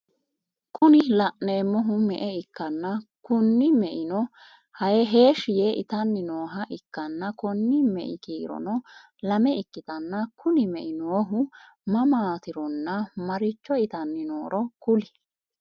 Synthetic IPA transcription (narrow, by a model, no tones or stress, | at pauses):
kʰʊnɪlɐʔneːmːɔɦʊmɛʔɛɪkːɐnːɐkʊnːɪmɛʔɪnɔ | hɐjɛɦe̞ːʃɪjeʔɪ̰t̪ɐnːɪnoːɦɐʔɪkːɐnːɐkɔnːɪmɛ̰ʔɪ̰kiːɾɔ̰nɔ | lɐmɛɪkːɪt̪ɐnːɐkʰʊnɪmɛʔɪnoːɦʊ | mɐmaːt̪ɪɾɔnːɐmɐɾɪt͡ʃːɔɪt̪ɐnːɪnoːɾɔkʊlɪ